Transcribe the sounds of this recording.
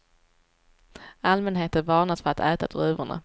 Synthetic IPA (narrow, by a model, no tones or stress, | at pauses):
almɛnɦeːt̪əvɑːɳad̪sfœɾat̪ɛːt̪ad̪̥ɾʉːvʊɳa̰